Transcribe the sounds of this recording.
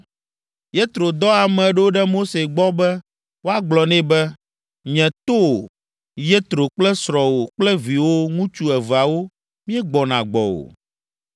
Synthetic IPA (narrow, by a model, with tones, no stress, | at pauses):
je˦t̪ɾo˨d̪ɔ˦a˨mɛ̃˨ɖɛ˦wo˦ɖɛ˦mo˦se˨ɡ͡bɔ˦bɛ˦ | wo˦a˦ɡ͡blɔ˨nɛ̃˦bɛ˦ | ɲɛ̃˨t̪o˦˨ | je˦t̪ɾo˨k͡plɛ˦sɾɔ˨wo˨k͡plɛ˦vi˨wo˦ŋũ˦t͡ʃu˦ɛ˨va˨wo˦ | mĩ˦ɛ˦ɡ͡bɔ˨nã̰˨ɡ͡bɔ̰˨wo̰˨